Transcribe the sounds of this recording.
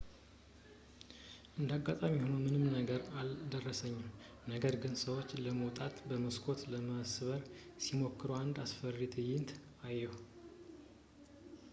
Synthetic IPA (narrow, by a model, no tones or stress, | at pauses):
ʔɨnd̪aɡːat̪ʼamihonəwmɨnɨmnəɡəɾald̪ərːəsəɲːɪm | nəɡəɾɡɨnsəwo̞t͡ʃːləməwt̪ʼat̪bəməskʰo̞t̪ləməsɨβəɾsimo̞kːɨɾuand̪asfərit̪ʰɨjɪnt̪ʰ | ajːɛw